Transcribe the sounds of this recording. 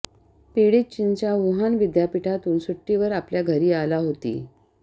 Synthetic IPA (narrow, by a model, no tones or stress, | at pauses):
piɽit̪̚t͡ɕint͡ɕjaʋuɦanʋid̪japiʈʰat̪uːnsuʈːiʋəɾapljaɡʱəɾiːalaɦot̪ḭː